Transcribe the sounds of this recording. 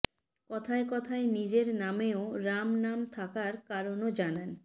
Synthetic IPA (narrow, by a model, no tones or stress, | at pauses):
kɔt̪ʰaekɔt̪ʰaenid͡ʑeɾnameoɾamnamt̪ʰakaɾkaɾonod͡ʑanan